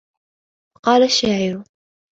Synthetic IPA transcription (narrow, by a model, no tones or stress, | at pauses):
qɑːlaʃːaːʕɪɾʊ